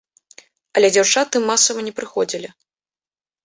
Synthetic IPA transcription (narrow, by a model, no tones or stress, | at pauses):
ɐlʲɛd͡zʲawt͡ʂat̪ɨmːasɐvɐnʲɛpɾɨxɔd͡zʲilʲi